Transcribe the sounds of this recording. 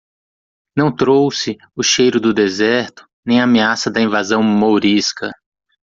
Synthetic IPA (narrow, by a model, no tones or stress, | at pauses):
nɐ̃w̃t̪ɾowsɪ | ʊʃejɾʊd̪ʊd̪ezɛɾt̪ʊ̥ | nẽj̃ameasɐd̪ɐĩvazɐ̃w̃moɾiskɐ